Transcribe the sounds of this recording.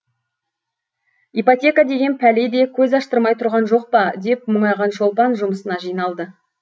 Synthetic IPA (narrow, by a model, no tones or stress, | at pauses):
ipot̪ʲe̞kad̪e̞ɡʲe̞npʰæle̞d̪e̞kʲʰɵzɑʃt̪əɾmɑjt̪ʰʊɾʁɑnʒo̞q̚pɑd̪e̞p̚mʊɴɑjʁɑnʒo̞lˠpɑnʒʊməsənɑʒijnɑlˠd̪ə